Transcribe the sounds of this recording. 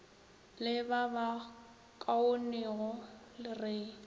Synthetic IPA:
lɪbaba | kʼaoniɣɔlɪrɪ

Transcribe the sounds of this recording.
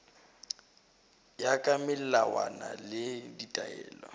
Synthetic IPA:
jakʼamɪllawa̰nalɪditʼaɛːlɔ̰

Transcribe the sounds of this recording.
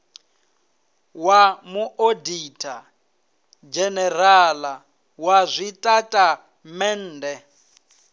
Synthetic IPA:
wamuʔoditʰʼa | d͡ʒɛnɛrala | wazʷitʼatʼa | mɛn̩ːdɛ

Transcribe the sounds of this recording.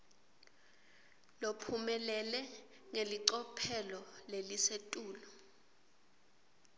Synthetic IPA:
lopʰumɛlɛlɛ | ŋeliǀɔpʰɛlɔlelisetʼuːlɔ

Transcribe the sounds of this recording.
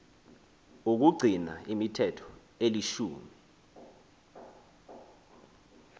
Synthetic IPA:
uk̬uɡ͡ǀʱina̰imitʰɛtʰɔ̥ | eliʃuːmi

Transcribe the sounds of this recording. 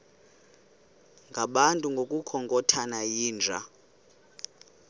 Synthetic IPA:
ŋɡʱaɓantʼuŋɡʱokʼukʰɔŋkʼɔtʰanajiːnd͡ʒʱa̰

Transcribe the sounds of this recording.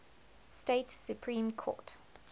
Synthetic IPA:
steɪtsjupʰɹĩːmkʰɔ̰ːˑt

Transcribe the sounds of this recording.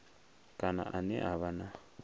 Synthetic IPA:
kʼana̰ʔanɛ̰ʔaβana

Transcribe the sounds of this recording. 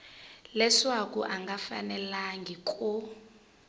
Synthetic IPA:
lɛswakʼuʔaŋɡʱafa̰nɛlaŋɡʱikʼu

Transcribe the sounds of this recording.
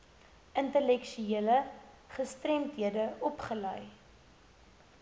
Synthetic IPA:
əntəlɛkʃyiələ | χəstrɛmtɦiədəɔpχəlœj

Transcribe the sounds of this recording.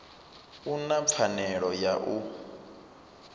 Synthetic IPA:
unap̪fʰanɛɺɔjaʔu

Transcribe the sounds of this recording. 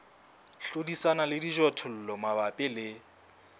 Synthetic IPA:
ɬodisanalɪdiʒɔtʰɔl̩lɔmabapʼɪlɪ

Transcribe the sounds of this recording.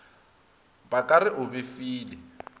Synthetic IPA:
bakʼarɪʔʊbɪfiːlɪ

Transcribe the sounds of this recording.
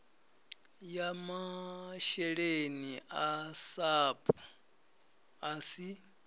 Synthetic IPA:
jamaʃɛɺeniʔasaːpʰʼɔ | asi

